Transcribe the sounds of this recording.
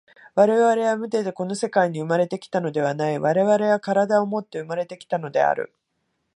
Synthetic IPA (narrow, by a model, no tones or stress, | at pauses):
βaɾe̞βaɾe̞βamɯ̟t̪e̞t̪e̞ko̞no̞se̞kaiɲ̟iɯ̟maɾe̞t̪e̞kʲi̥t̪ano̞d̪e̞β̞anaiβaɾe̞βaɾe̞βakaɾad̪aomo̞t̪ːe̞ɯmaɾe̞t̪e̞kʲi̥t̪ano̞d̪e̞̰a̰ɾɯ̟̰